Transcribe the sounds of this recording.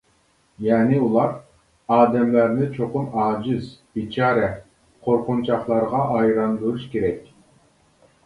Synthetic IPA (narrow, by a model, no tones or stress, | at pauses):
jɑːnɪulˠɑɾ | ɑːd̪ɛmlæɾnɪt͡ʃʰoqʊnɑːd͡ʒɪzb̥it͡ʃʰɑːɾɛ | qʰoɾqʊnt͡ʃʰɑχlˠɑɾʁɑʔɑjɾɑnd̪uɾuʃkʲʰeɾɛkʲ